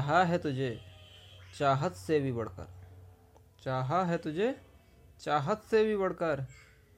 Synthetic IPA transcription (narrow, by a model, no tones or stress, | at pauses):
ɦaɦɛt̪ʊd͡ʒʱe | t͡ʃaːɦət̪sebʱibɐɽ̤kə̰ɾ | t͡ʃaːɦaɦɛt̪ʊd͡ʒʱe | t͡ʃaːɦət̪sebʱibəɽ̤kəɾ